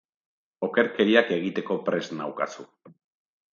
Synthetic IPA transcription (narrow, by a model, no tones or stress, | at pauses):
o̞ke̞ɾke̞ɾiake̞ɣ̞it̪e̞ko̞pɾe̞znawka̰su